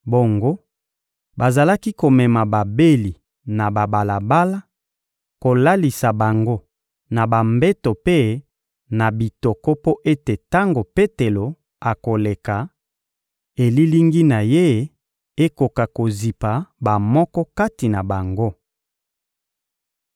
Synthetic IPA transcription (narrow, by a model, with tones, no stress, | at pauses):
bo˨ŋɡo˦ | ba˨za˨la˦ki˦ko˨mɛ˨ma˨ba˨be˦li˨ | na˨ba˨ba˨la˨ba˦la˦ | ko˨la˦li˨sa˨ba˨ŋɡo˦ | na˨ba˨mbɛ˦to˨pe˦ | na˨bi˨to˨kɔ˦po˦ʔe˦te˨ta˦ŋɡo˨pe˦te˨lo˨ | a˨ko˨le˨ka˨ | e˨li˦li˦ŋɡi˦na˨je˦ | e˦ko˨ka˨ko˨zi˨pa˨ba˨mɔ˦kɔ˦ka˦ti˨na˨ba˨ŋɡo˦